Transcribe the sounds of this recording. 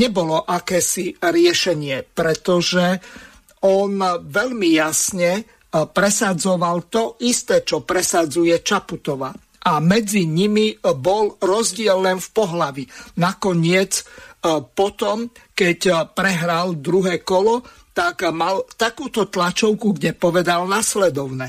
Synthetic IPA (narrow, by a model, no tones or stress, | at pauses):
ɲɛbɔlɔʔakɛːsiɾɪɛʃɛɲɪɛpɾɛt̪ɔʒɛ | ɔnʋɛʎmijasɲɛ | pɾɛsad͡zɔʋalt̪ɔʔist̪ɛːt͡ʃɔpɾɛsad͡zujɛt͡ʃaput̪ɔʋa | ʔamɛd͡ziɲimibɔlɾɔzɟɪɛlnɛmfpɔɦlaʋinakɔɲɪɛt͡s | pɔt̪ɔmkɛcpɾɛɦɾald̪ɾuɦɛːkɔlɔ | t̪akmalt̪akuːt̪ɔt̪lat͡ʃɔʊkuɡɟɛpɔʋɛd̪alnaslɛd̪ɔʊnɛ